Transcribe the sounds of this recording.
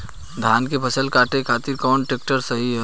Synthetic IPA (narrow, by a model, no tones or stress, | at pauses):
d̪ʱaːnkepɐsəlkaːʈekʰaːt̪ɪɾkɔːnʈeːk̚ʈəɾsɐɦiɦɛ